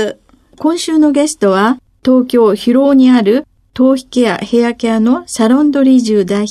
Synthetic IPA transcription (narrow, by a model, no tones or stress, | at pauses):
kõ̞ɰ̃ɕɨːno̞ɡe̞sɨ̥t̪o̞β̞a | t̪o̞ːkʲo̞ːçiɾo̞ːɲ̟iaɾɯ̟ | t̪o̞ːçi̥keja̰he̞jakeano̞saɾõ̞nd̪o̞ɾʲiʑɨːd̪ai